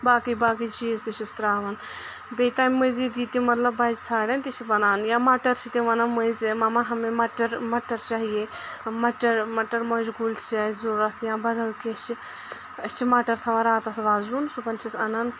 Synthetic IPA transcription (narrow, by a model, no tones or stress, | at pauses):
baːkijbaːk̬it͡ʃiːzt̪it͡ʃʰist̪ɾaːʋɐn | beːt̪aːmmɐziːd̪iːt̪imɐt̪lɐbːaːd͡ʒt͡sʰaːɽɐnt̪it͡ʃʰibɐnaːnjãːmaːʈɐɾt͡ʃʰit̪iʋɐnɐmɐzimɐmaːɦɐmẽmɐʈɐɾmɐʈɐɾt͡ʃaːɦijeːmɐʈɐɾmɐʈɐɾmɐʃɡult͡ʃaːzuɾɐt̪ʰjãːbɐd̪ɐlket͡ʃi | ɐt͡ʃʰimaːʈɐɾt̪ʰɐʋɐɾaːt̪ɐsʋaːzuːnsupɐnt͡ʃʰisɐnɐn